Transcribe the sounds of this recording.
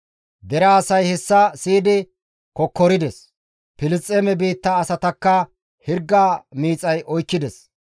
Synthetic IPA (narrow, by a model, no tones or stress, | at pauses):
d̪ɛɾaːsɐjhɛsːɐsiːd̪ɪ | kɔkːɔɾɪd̪ɛs | pɪlɪt͡sʼːeːmɛbiːt̪ːɐːsɐt̪ɐkːɐ | hɪɾɡːaːmiːt͡sʼɐjʔɔjkːɪd̪ɛs